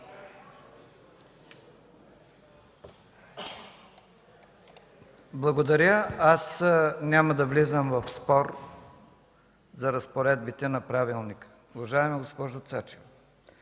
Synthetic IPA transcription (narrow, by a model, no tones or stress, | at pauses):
blˠɐɡod̪ɐɾʲəasnʲaməd̪ɐvlizəmvɐfspɔɾ | zɐɾɐspoɾɛd̪̚bit̪ɛnɐpɾavilˠnikə̥ | uvɐʒaɛmɛɡospɔʒot̪sat͡ʃɛvo